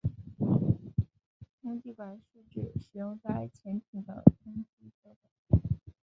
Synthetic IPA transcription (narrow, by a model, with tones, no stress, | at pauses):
tʰʊ˥ŋt͡ɕi˥˩kwa˨˩˦nʂu˥˧ʈ͡ʂɻ̩˥˩ʂɻ̩˨˩jʊ˥˧ŋt͡sa˥˩ɪt͡ɕʰjɛ˧˥nt̪ʰi˨˩d̪ə̰˦tʰʊ˥ŋt͡ɕi˥˩ɕɛ˥ʈ͡ʂa˥˩˦